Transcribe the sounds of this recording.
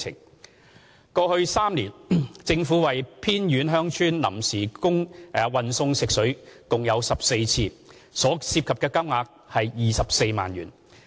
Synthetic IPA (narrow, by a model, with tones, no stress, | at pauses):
ɪ̰˨˩ŋ | kɔː˧hɵ˧ɥsaː˥mliː˨˩nt͡sɪ˧ŋfu˨˥wɐ˨˩jpʰiː˥njyː˨˥nɦœː˥ŋt͡ʃʰyː˥nlɐ̰˨˩msiː˨˩kʊ˥ŋ˨wɐ˨nsʊ˧ŋsɪ˨k̚sɵ˨˥ɥkʊ˨ŋjɐ˨˧wsɐ˨p̚se˧jt͡sʰiː˧ | sɔː˨˥siː˧p̚kʰɐ˨p̚kɛː˧kɐ˥wŋaː˧k̚ | hɐ˨jjiː˨sɐ˨p̚se˧jma̰ː˨njyː˨˩n